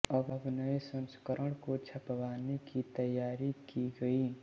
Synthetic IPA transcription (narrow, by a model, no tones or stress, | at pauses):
ɔbəbʱnəesə̃nskəɾəɽ̃kot͡ʃʰɐpəʋaːnekit̪əjːaːɾikiɡəi